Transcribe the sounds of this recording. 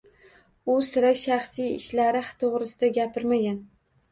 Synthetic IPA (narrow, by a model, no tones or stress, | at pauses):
ʊsɪɾaʃaχsijɪ̰ʃlaɾɪht̪ʰoʁɾɪsɪd̪aɡʲapʰɪɾmaɡʲan